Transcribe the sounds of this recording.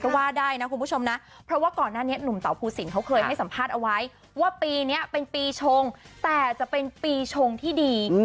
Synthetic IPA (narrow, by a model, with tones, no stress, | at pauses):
kɔ˥˩waː˥˩daː˥˩jna˦˥ku˧npʰu˥˩o˧mna˦˥ | pʰɾɔ˦˥waː˥˩kɔː˨˩nːaː˥˩ni˦˥ɐnu˨˩˦mt̪a˨˩˦wpʰuː˧si˨˩˦nkʰa˦˥wkʰɤː˧jha˥˩jsa˩˦mpʰaː˥˩t̪̚ʔa˧wa˦˥j | waː˥˩piː˧ni˦˥ɐpe˧npiː˧t͡ɕʰo˧ŋt̪ɛː˨˩t͡ɕa˨˩pe˧npiː˧t͡ɕʰo˧ŋt̪ʰiː˥˩diː˧